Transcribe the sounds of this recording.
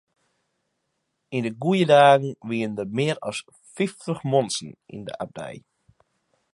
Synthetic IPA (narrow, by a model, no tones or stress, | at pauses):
indəɡujədaːɡŋ̩ʋiəndəmɪəɾɔ̰s | fiftəχmɔnsn̩ʔḭndə̰ʔa̰b̚dɛ̰j